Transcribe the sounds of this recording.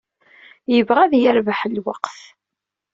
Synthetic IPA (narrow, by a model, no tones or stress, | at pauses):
jəvʁæðjəɾvaħəlwaqθ